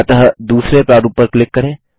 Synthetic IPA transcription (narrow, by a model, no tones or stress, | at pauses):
t̪ɐɦd̪uːsɾepɾaːɾuːpəɾklɪkːɐɾẽː